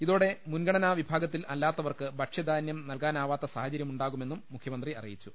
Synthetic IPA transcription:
iðo̞ːɽe̞munɡɐɳɐnaːʋibʱaːɡɐt̪ːilɐlːaːt̪ːɐʋɐrkɨbɐʈʂɐd̪ʱaːnjɐmnɐlkaːnaːʋaːt̪ːɐsaːhɐt͡ɕɐɾjɐmuɳɖaːɣume̞nːumːukʰjɐmɐnd̪riɐ̰rḭjit͡ɕːu

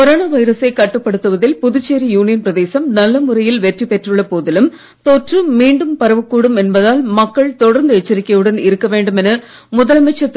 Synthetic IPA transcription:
kɔɾoːnaːʋɐɪɾɐsɐɪkɐʈːɯpːɐɽɯt̪ːɯʋɐðɪlpʊðʊt͡ʃːeːɾijuːnɪjɐnpɪɾɐðeːsɐmnɐlːɐmʊrɐjɪlʋɛʈripɛʈrɯɭːɐpoːðɪlɯm | t̪ɔʈrɯmiːɳɖɯmpɐɾɐʋɯkːuːɽɯmɛnbɐðaːlmɐkːɐɭt̪ɔɽɐɾnd̪ɯɛt͡ʃːɐɾɪkːɐʋɯɽɐnɪɾɯkːɐʋeːɳɖɯmɛnɐ | mʊðɐlɐmɐt͡ʃːɐt̪ː

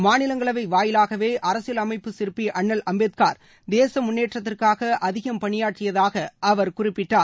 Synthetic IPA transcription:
maːnɪlɐŋɡɐɭɐʋɐɪʋaːjɪlaːɣɐʋeːʔɐɾɐsɪjɐlɐmɐɪpːɯsɪɾpːiʔɐɳːɐlʔɐmbeːt̪kaːɾ | d̪eːsɐmʊnːeːʈrɐt̪̬ːɪrkaːɣɐʔɐðɪɣɐmpɐɳɪjaːʈrɪjɐðaːɣɐʔɐʋɐɾkʊrɪpːɪʈːaːɾ

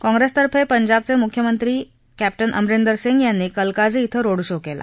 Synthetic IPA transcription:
kɔ̃ŋɡɾest̪əɾpepəɲd͡ʑab̚t͡semukʰjəmənt̪ɾiː | kæp̚ʈənʔə̰mɾend̪əɾseŋɡjanːiːkəlkad͡zeit̪ʰəɾoɽɕokela̰

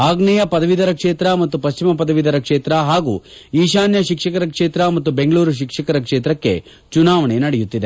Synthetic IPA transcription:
aːɡɳɛjɐpɐd̪ɐʋid̪ɐɾɐkʂeːt̪ɾɐmɐt̪ːupɐɕt͡ʃimɐpɐd̪ɐʋid̪ɐɾɐkʂeːt̪ɾɐɦaːɡṵː | iːʃaːnjɐʃikʂɐkɐɾɐkʂeːt̪ɾɐmɐt̪̬ːube̞ŋɡɐɭuːɾuʃ̬ikʂɐkɐɾɐkʂeːt̪ɾɐkːe̞̰ | t͡ʃunaːʋɐɳenɐɽɛjut̪ːid̪e

